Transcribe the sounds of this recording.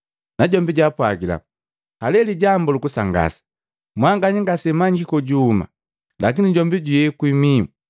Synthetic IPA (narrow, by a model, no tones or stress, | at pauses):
naɟɔmbiɟapwaɡila̰ | alɛliɟambɔlukusaŋɡa̰sḁ | mwaŋɡaɲiŋɡasɛmaɲɡikɔɟuːma̰ | lakiniɟɔmbiɟujɛkwimi